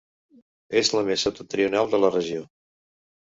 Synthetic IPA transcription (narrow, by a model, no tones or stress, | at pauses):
ezləmesot̪ut̪ɾiunalˠd̪ələrəʒio